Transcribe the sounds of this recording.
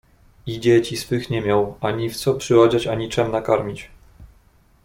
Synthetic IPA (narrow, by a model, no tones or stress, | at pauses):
id͡ʑɛt͡ɕisfɘxɲɛmʲjawaɲift̪sɔpʂɘwad͡ʑat͡ɕaɲit͡ʂɛmnakaɾmʲit͡ɕ